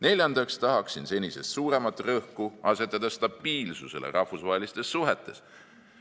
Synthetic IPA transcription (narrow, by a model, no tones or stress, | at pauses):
ne̞lʲjɑnd̪̥ɑkst̪ɑɦɑksinse̞nʲise̞st̪suːɾe̞mɑt̪ːˑrɤhkuɑse̞t̪ːˑɑd̪̥ɑst̪ɑb̥iːlsuse̞̰lḛɾʔɑhfusvɑɦelist̪e̞sːuɦet̪ːˑe̞s